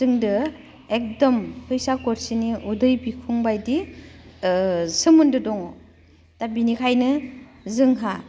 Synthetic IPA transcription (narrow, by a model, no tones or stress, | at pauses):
zɯŋdɯ | ek̚dɔmpʰɯjsakɔɾsiniudɯjbikʰuŋbajdi | sɯmundɯdɔŋɔ | tabinikʰajnɯ | zɯŋɦa